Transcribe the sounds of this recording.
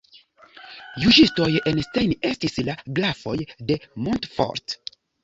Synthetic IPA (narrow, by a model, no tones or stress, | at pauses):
juʒisto̞je̞nstejne̞stislaɡlafo̞jde̞montfo̰ɾt